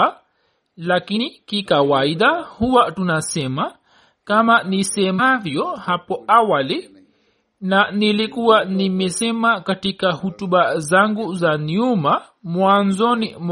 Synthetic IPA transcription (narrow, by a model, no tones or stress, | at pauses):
lakinikikawaiɗahuwatunasɛma | kamanisɛmavjɔhapɔawali | nanilikuwanimɛsɛmakatikahutuɓazaŋɡuzanuma | mwanzɔnḭm